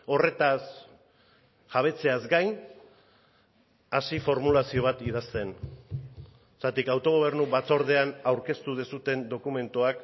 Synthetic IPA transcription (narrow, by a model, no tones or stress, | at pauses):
o̞re̞t̪as | ʝaβ̞e̞t͡se̞azɡajn | asifo̞ɾmulasio̞β̞at̪iðast̪e̞n | sat̪ikawt̪o̞ɣ̞o̞β̞e̞ɾnuβat͡so̞ɾð̞e̞anawɾke̞st̪uð̞esut̪e̞nd̪o̞kume̞nt̪uak